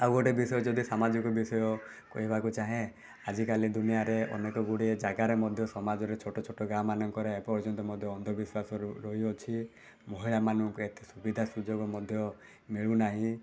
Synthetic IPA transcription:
awoʈebisɔjɔd͡ʒɔd̪isamad͡ʒɔkɔbisɔjɔ | kɔɦibakut͡ʃaɦẽ | ad͡ʒikalid̪unijaɾeʔɔ̰nekɔɡuɽied͡ʒaɡaɾemɔd̪ʱjɔsɔmad͡ʒɔɾet͡ʃʰoʈɔt͡ʃʰoʈɔɡɾamanɔŋkɔɾeepɔɔd͡ʒɔnt̪ɔmɔd̪ʱjɔɔnd̪ʱɔbiswasɔɾɾɔɦiɔt͡ʃʰi | mɔɦiɭamanɔŋkuet̪esubid̪ʱasud͡ʒoɡɔmɔd̪ʱjɔ | miɭunaɦĩ

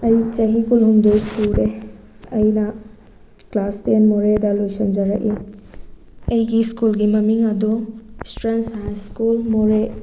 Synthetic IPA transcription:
ɐjt͡ʃɐɦikulɦumdojskulɾe | ɐjnɐ | klastenmoɾedɐlojsɐnd͡ʒɐɾɐki | ɐjɡiskulɡimɐmiŋɐdustɾensajnskulmoɾe

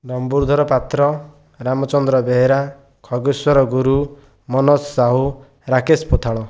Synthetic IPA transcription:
ɾɔmbuɾd̪ʱɔɾɔpat̪ɾɔ | ɾamɔt͡ʃɔnd̪ɾɔbeɦeɾa | kʰɔɡuswɔɾɔɡuɾu | mɔnɔsːaɦu | ɾakespot̪ʰaɭɔ

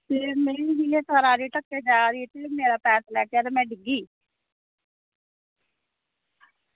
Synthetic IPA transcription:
t̪eːmeːniːd͡ʒileːt̪ʰaːɾaːɾeːʈəkːeːd͡ʒaːɾiet̪emeːɾaːpɛːt̪lɛːkeaːɾeːmɛ̃ːɖɪɡiː

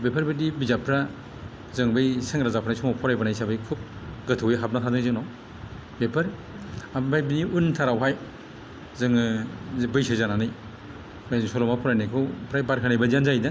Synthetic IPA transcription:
bepʰaɾbɯdibizapʰɾa | zɯŋbɯjsɯŋɾazapʰaɾnajsɔmawpʰɔɾajbanajsabɯjkʰup̚ɡɯtʰɯwiɦap̚natʰadɯŋzɯŋnaw | bepʰaɾ | abajbiniuntʰaɾawɦaj | zɯŋɯbɯjsazananɯj | sɔɾɔmapʰɔɾajnajkʰɯwpʰɾajbaɾkʰanajbazianzajda

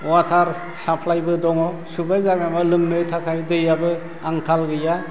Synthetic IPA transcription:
watʰaɾ | sapʰlajbɯdɔŋɔ | subajzamamɯlɯmnɯtʰakʰajdɯjabɯ | aŋkʰalɡɯja

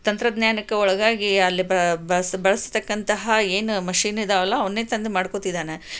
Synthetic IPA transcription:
t̪ɐnt̪ɾɐd̪ɲjaːnɐkːɐɔɭɐɡaːɡiɐlːibɐbɐsbɐɭɐst̪ɐkːɐnt̪ɐɦɐeːnumɐʃiːnid̪eɐlːɐːʋɐnːeːt̪ɐnd̪emaːɽkot̪id̪aːne

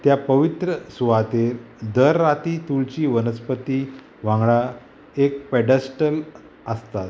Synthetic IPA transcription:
t̪japəʋit̪ɾəsuʋat̪eɾ | d̪əɾːat̪it̪uɭt͡ɕiːʋənəspət̪i | ʋãŋɡɭa | ek̚pɛɖəsʈəl | əst̪at̪

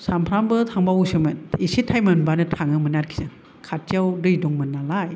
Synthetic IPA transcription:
sampʰɾambɯtʰaŋbawusɯmɯnisitʰajmɯnbanɯtʰaŋɯmɯnat̚kʰi̥zɯŋ | kʰat̚t͡ʃawdɯjduŋmɯnːalaj

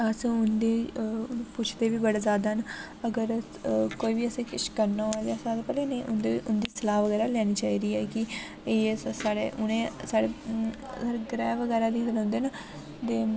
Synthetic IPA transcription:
əsʊnd̪eː | pʊt͡ʃʰt̪eːʋiːbəɽeːzaːd̪aːn | əɡəɾ | koːiːbiːəsẽːkɪʃkəɾnaad̪esaːd̪eːpɛːleːneːʔʊnd̪eːʋiːʔʊnd̪iːsəlaːʋəɡɛːɾaːlɛːñiːt͡ʃaːiːɾiːɛːkɪ | eːsaːɽeːʔʊnẽːsaːɽeː | saːɽeɡɾɛːʋəɡɛːɾaːd̪iːɡəlːnd̪eːna | t̪eː

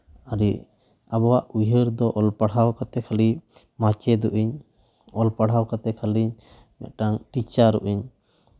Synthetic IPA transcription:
aɾi | abɔwaʔuɦəɾd̪ɔʔɔlpaɽɦawkat̪ɛkʰalimat͡ʃɛd̪uʔiɲ | ɔlpaɽ̤awkat̪ɛkʰaliɲ | mɛ̰ʈaŋʈit͡ʃaɾṵʔiɲ

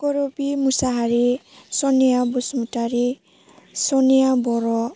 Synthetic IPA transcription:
kɔɾobimusaɦaɹisɔnijabɔsmutaɾi | sɔnijabɔɾɔ

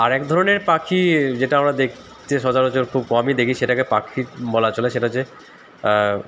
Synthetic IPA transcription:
aɾɛk̚d̪ʱɔɾoneɾpakʰid͡ʑeʈaamɾad̪ekʰ | t͡ɕeʃɔd͡ʑaɾot͡ɕoɾkʰub̚kɔmid̪ekʰiʃeʈakepakʰiɾbɔlat͡ɕɔleʃeʈad͡ʑe

